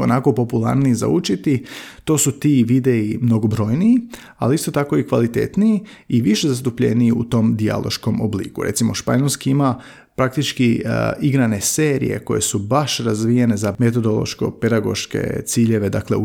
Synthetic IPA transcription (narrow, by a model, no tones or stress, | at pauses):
o̰nako̞po̞pulˠa̰ɾniiza̰ut͡ʃit̪it̪o̞ːsut̪iʋid̪e̞imno̞ɡobɾo̞jnii | a̰liist̪o̞t̪ako̞ikʋalit̪e̞̰t̪nii | iʋiʃezast̪upʎe̞̰niiṵt̪o̞md̪ia̰lˠʔo̞̰ʃko̞moblḭːkuɾet̪simo̞ʃpaɲolʲˠskiima | pɾak̚t̪it͡ʃkiiɡɾane̞se̞ːɾḭje̞̰ko̞je̞subaʃɾazʋijene̞zame̞t̪̬o̞d̪olˠo̞̰ʃko̞̰pe̞d̪aɡo̞̰ʃke̞̰t̪siːʎe̞ʋe̞d̪akle̞̰u